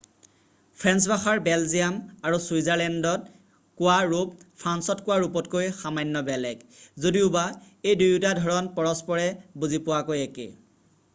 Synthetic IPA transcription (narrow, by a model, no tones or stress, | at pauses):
pʰɹɛnsbaxaɹbɛlzijamaɹusujzaɹlɛndɔt̚ | kʊwaɹup̚pʰɹansɔtkʊwaɹupɔtkojxamajnːɔbɛlɛkzodiʊba | ejdujutadʱɔɹɔnpɔɹɔspɔɹɛbuzipʊwakojakḛ